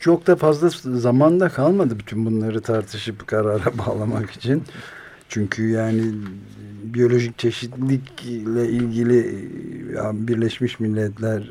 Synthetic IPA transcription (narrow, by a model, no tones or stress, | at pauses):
t͡ʃʰok̚d̪afazlˠazamand̪akʰalˠmad̪ɯbyt̪ʰynbunlˠaɾɯt̪ʰaɾt̪ʰɯʃɯpkʰaɾaɾabaːlˠamaki̥t͡ʃʰin | t͡ʃʰyɲcʰyjaːnɪ | bijo̞lʲo̞ʒic̚t͡ʃʰe̞ʃit̪lʲiclʲɛilʲɟilʲi | a̰biɾlʲɛʃmiʃmilʲːɛt̪lʲæɾ